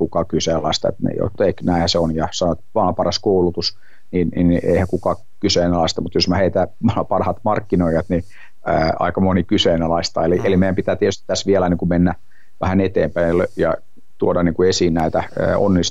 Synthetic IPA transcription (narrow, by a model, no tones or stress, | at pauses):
kukɑkyseːlɑist̪ɑḛt̪mḛijo̰t̪ːeknæˑihæseonjɑsɑnoet̪ʋɑːpɑrɑskoulut̪us | nininḛihækukɑ | kyseːnælɑˑist̪ɑmut̪josmæheit̪æmpɑrhɑt̪mɑrkːinoijɑt̪ni | əːɑ̰ikɑmonikyseːnælɑist̪ɑeliʔelimeijæmpit̪æːt̪iet̪yst̪i̥t̪t̪æsʋiɛlæniːŋkumenːæ | ʋæhænet̪ḛːmpæiløjɑ̰ | t̪uodɑnniːŋkuesiːnnæit̪æə̰ːo̰nːis